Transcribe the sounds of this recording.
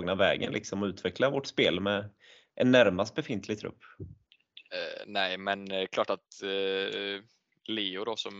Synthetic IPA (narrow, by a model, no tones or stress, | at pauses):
ɡnavɛ̰ːɡə̰nlʔɪ̰ksɔmɔʉ̟ːt̪ʰvɛklavɔʈspeːlmɛ | ʔɛnːæɾmast̪̚bɛfɪnt̪ʰlɪɡ̚t̪ʰɾɵ̰pː | nɛɪmɛnkʰlɑːʈat̪ | leːʊɾɔsɔm